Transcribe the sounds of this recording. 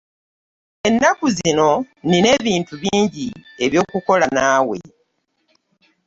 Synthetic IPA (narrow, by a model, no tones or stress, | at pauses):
e̞nːakuzino̞ | nine̞ːβiːntuβiːɲɟie̞βjo̞ːkuko̞lanaːwe̞̰